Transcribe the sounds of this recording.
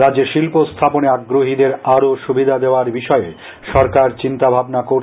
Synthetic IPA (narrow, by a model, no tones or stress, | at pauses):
ɾadd͡ʑeɾʃilpost̪ʰaponeaɡɾoɦid̪eɾaɾoʃubid̪ʱad̪eoaɾbiʃɔe | ʃɔɾkaɾt͡ɕint̪abʱabnakoɾ